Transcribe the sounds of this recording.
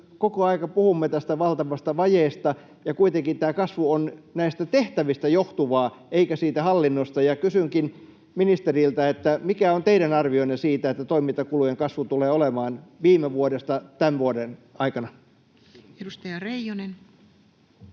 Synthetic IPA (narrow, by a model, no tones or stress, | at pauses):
kokoɑikɑpuhumːet̪æst̪æʋɑlt̪ɑʋɑst̪ɑʋɑjeːst̪ɑ | jɑkuit̪eŋkint̪æːkɑsʋuonnæist̪æt̪eht̪æʋist̪æjoht̪uʋɑːeikæsiːt̪æhɑlːinːost̪ɑjɑkysyŋkin | minist̪erilt̪æet̪ːæmikæont̪eiɾænɑrʋioinːesiːt̪æet̪ːæt̪oimint̪ɑkulujeŋkɑsʋut̪uleːolemɑːnʋiːmeʋuodest̪ɑt̪ænʋuodenɑikɑnɑ | edust̪ɑjɑrejonen